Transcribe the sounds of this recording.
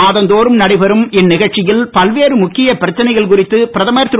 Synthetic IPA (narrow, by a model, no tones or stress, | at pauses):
aːðɐnd̪oːɾɯmnɐɽɪʋɐɾɯmɪnːɪɣɐɭt͡ʃɪjɪlpɐlʋeːɾɯmʊkːɪjɐpɪɾɐt͡ʃːɐnɐɪɣɐɭkʊrɪt̪ːɯpɪɾɐðɐmɐjɐɾt̪ːɪ